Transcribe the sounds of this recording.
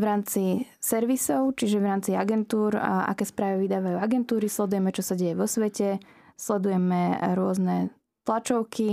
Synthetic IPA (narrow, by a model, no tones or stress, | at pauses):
ʋɾaːmt͡sisɛɾʋisɔʊt͡ʃiʒɛʋɾaːmt͡siaɡɛnt̪uːɾa̰kɛːspɾaːʋiʋid̪aːʋajuːaɡɛnt̪uːɾislɛd̪ujɛmɛt͡ʃɔsaɟɛjɛʋɔsʋɛcɛ | slɛd̪ujɛmɛɾʊɔznɛ | t̪lat͡ʃɔʊkʰi